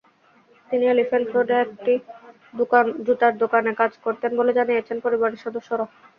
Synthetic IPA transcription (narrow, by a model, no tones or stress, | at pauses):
t̪inielifelfɾoɖeek̚ʈi | d̪okand͡ʑut̪aɾd̪okanekad͡ʑkoɾt̪enboled͡ʑanijet͡ɕʰenpoɾibaɾiʃɔd̪oʃːoɾa